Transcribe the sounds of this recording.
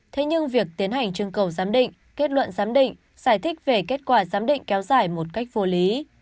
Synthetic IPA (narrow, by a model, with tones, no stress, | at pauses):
t̪ʰe˨˦ɲɨ˧ŋvi˨˩ək̚t̪i˨˦ənɦa˨˩jŋ̟t͡ɕɨ˧əŋkə˨˩wzaː˨˦mɗḭ˧˨ŋ̟ | ke˦˥t̚lwə̰˧˨nzaː˨˦mɗḭ˧˨ŋ̟ | z̥aː˧˩jt̪ʰï˦˥k̟̚ve˨˩ke˦˥t̚kwaː˧˩zaː˨˦mɗḭ̈˧˨ŋ̟kɛ˨˦wzaː˧˩jmo˨˩t̚ka˦˥jk̟̚vo˨˦li˨˦